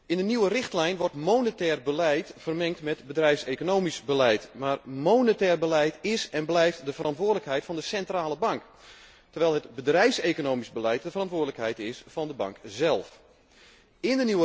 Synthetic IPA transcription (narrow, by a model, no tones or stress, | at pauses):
ɪndəniwərɪxtlɛjnʋɔrtmownətɛːrbəlɛjtfərmɛŋk̚tmɛtbədrɛjfsekonowmisbəlɛjtmaːrmownətɛːrbəlɛjtɪsɛnblɛjftdəfərɑntʋʊːədələkhɛjtfɑndəsɛntraːlˠəbɑŋk | tərʋɛjlˠɦətbədrɛjfseːkonowmisbəlɛjt̚dəfərɑntʋʊːdələkhɛjtɪsfɑndəbɑ̰ŋkzɛlˠf | ɪndəniwə